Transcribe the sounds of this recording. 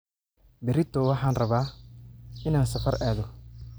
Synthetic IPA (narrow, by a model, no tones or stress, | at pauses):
bɪɾɪt̪ʰɔwɑħɑːnrɐβaː | ɪnaːnsɐfɐɾaːðɔ